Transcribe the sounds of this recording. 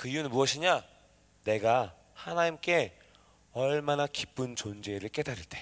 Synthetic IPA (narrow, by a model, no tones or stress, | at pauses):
kɯijunɯnmuʌɕʰiɲa | ne̞ɡa | hanaɲimk͈e̞ | ʌɭmanakip͈ɯnt͡ɕond͡ʑe̞ɾɯɭk͈e̞daɾiɭt͈e̞